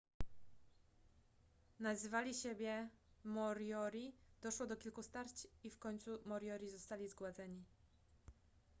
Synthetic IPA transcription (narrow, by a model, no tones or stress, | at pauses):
nazɘvalʲiɕebʲjɛmɔɾjɔɾʲid̪̥ɔʂwɔd̪ɔkʲilkust̪aɾt͡ɕifkɔɲʲt̪sumɔɾʲjɔɾʲizɔst̪alʲizɡwad̪zɛɲi